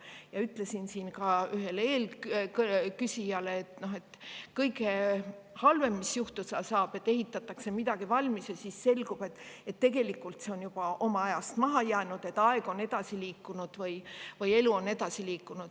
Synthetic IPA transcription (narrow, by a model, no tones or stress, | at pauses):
jɑyt̪ːˑle̞sinsiːnkɑyɦe̞le̞ːlkkysʲijɑleːt̪noɦe̞t̪ːkɤjɡehɑlve̞mːisjuht̪usɑsɑːb̥e̞t̪ːˑeɦit̪ːˑɑt̪ːˑɑkse̞mid̪ɑɡ̥ivɑlʲmisjɑsisse̞lɡ̥ub̥e̞t̪ːˑet̪ːe̞ɡ̥e̞likːˑult̪se̞o̞njub̥ɑʔo̞mɑɑjɑst̪mɑɦɑjæːnud̪̥e̞t̪ːɑeɡ̥o̞ne̞d̪̥ɑsiliːkːˑunud̪̥vɤjvɤjeluo̞ne̞d̪̥ɑsiliːkːˑunud̪̥